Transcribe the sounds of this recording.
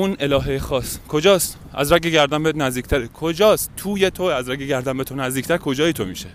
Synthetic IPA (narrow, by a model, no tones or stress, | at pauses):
unelɒːɦejexɒːskʰo̞d͡ʒɒːst̪ | æ̰zɾæŋɡeɡæɾd̪æmbenæzd̪iːkʰʲt̪æɾekʰod͡ʒɒːst̪ʰuːjet̪ʰoæzɾæŋɡɟeɡæɾd̪æmbet̪ʰonæzd̪iːcʰt̪æɾkʰo̞d͡ʒɒːjet̪ʰomḭːʃe